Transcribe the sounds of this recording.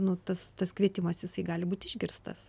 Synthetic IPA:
nʊt̪ɐst̪ɐskʋʲiɛt̪ʲɪmɐsjɪsɐɪɡɑːlʲɪbuːt̪ʲɪʒʲɡʲɪrst̪ɐ̰s

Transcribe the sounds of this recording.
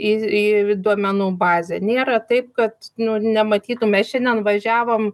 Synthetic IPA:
iːiːd̪uɔmʲɛnuːbɑːzʲɛnʲeːɾɐt̪ɐɪp̚kɐt̪nʊnʲɛmɐt̪ʲiːt̪ʊmʲɛsʃʲɛnʲd̪ʲɛnʋɐʒʲæːʋoːm

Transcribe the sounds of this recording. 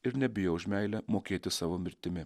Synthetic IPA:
ɪɾnʲɛbʲɪjoʊʒʲmʲæɪlʲɛmoːkʲeːt̪ʲɪsɑːʋoːmʲɪɾʲt̪ʲɪmʲɪ

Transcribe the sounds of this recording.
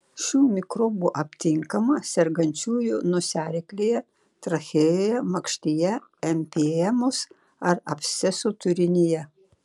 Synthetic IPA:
ʃʲuːmʲɪkɾobuʔɐpʲt̪ʲɪŋkɐmɐsʲɛɾɡɐnʲt͡ʃʲuːjʊnʊsʲæːɾʲɪklʲeːjɛ | t̪ɾɐxʲeːjjoːjɛmɐkʃʲt̪ʲijɛɛmʲpʲeːjɛmʊs | ɐɾɐpʲsʲɛsut̪ʊɾʲɪnʲɪjɛ

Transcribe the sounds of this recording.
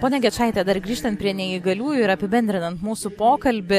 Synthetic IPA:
poːnʲɛɡʲɛt͡ʃɑːɪt̪ʲɛd̪ɐɾɡɾʲiːʃt̪ɐnt̪̚pʲɾʲiɛnʲɛiɡɐlʲuːjʊɪɾɐpʲɪbʲɛnʲd̪ʲɾʲɪnɐnt̪muːsʊpoːkɐlʲbʲɪ

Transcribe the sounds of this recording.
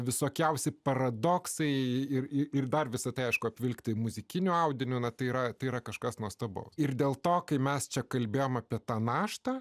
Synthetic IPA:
ʋʲɪsoːkʲɛʊsʲɛɪpɐɾɐd̪oːksɐɪɪrɪɪrd̪ɐrʋʲɪsɐt̪ɐɪɐɪʃkʊɐpʲʋʲɪlʲkt̪ʲɐɪmʊzʲɪkʲɪnʲʊɐʊd̪ʲɪnʲʊnɐt̪ɐɪiɾɐt̪ɐɪiːɾɐkɐʃkɐsnuɔst̪ɐbo̰ːsɪrd̪ʲeːlˠt̪oːkɐɪmʲɛst͡ʃʲɛkɐlʲbʲeːjoːmɐpʲiɛt̪ɑːnɑːʃt̪ɐ

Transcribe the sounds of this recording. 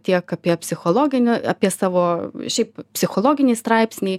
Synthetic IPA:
t̪ʲiɛkɑpʲiɛpʲsʲɪxoːlˠoːɡʲɪnʲʊɑːpʲiɛsɑːʋoːʃʲɛɪppʲsʲɪxoːlˠoːɡʲɪnʲiːst̪ɾɑɪpʲsʲnʲiː

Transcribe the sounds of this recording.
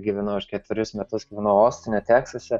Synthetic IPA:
ɡʲiːʋʲɛnɐʊʊʃkʲɛt̪ʲʋʲɪɾʲʊsmʲɛt̪ʊsɡʲiːʋʲɛnɐʊoːsʲt̪ʲɪnʲoːt̪ʲæːksɐsʲɛ

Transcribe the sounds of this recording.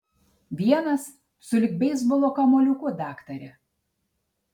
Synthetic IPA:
ʋʲiɛnɐs | sʊlʲɪkbʲɛɪzbɔlˠoːkɐmoːlʲʊkʊd̪ɑːkt̪ɐɾʲɛ

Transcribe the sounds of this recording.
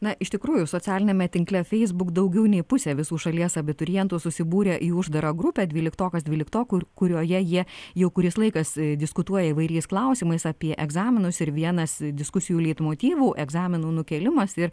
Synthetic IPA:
nɐɪʃʲt̪ʲɪkɾuːjʊsoːt͡ssʲæːlʲɪnʲɛmʲɛt̪ʲɪŋklʲɛfʲɛɪzbʊkd̪ɐʊɡʲɛʊnʲɛɪpʊsʲɛːʋʲɪsuːʃɐlʲiɛsɐbʲɪt̪ʊɾʲɪjɛnt̪uːsʊsʲɪbuːɾʲɛʔiːʊʒd̪ɐɾɐɡɾʊpʲɛd̪ʲʋʲiːlʲɪkt̪oːkɐsdʲʋʲiːlʲɪkt̪oːkʊkʊɾʲoːjɛjiɛjɛʊkʊɾʲɪslˠɐɪkɐsd̪ʲɪskʊt̪uɔjɛɪʋɐɪɾʲɛɪsklˠɐʊsʲiːmɐɪsɐpʲiɛʔɛɡzɑːmʲɪnʊsɪɾʋʲiɛnɐsd̪ʲɪskʊsʲɪjuːlʲiːt̪moːt̪ʲiːʋuːʔɛɡzɑːmʲɪnuːnʊkʲɛːlʲɪmɐsɪɾ

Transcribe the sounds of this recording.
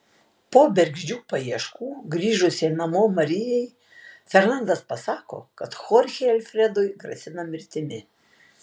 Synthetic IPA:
poːbʲɛɾʲɡʒʲd͡ʒʲuːpɐiɛʃkuːɡɾʲiːʒʊsʲenɐmoːmɐɾʲɪjɛɪ | fʲɛɾnˠɐnd̪ɐspɐsɑːko̰ːkɐt̪xɔɾʲxʲeːɛlʲfʲɾʲɛd̪ʊjɡɾɐ̰sʲɪnɐmʲɪɾʲt̪ʲɪmʲɪ

